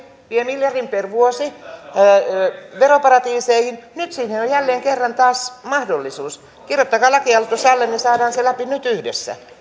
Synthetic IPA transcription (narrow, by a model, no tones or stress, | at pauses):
ʋiemiljɑrimperʋuosi | ʋeropɑrɑt̪iːseihinnyt̪siːnenojjælːeːŋkerːɑnt̪ɑːsmɑhdolːisuːs | kirjot̪ːɑkɑːlɑkiɑlt̪usɑlːennisɑːdɑːnselæpinyt̪yhdesːæ̰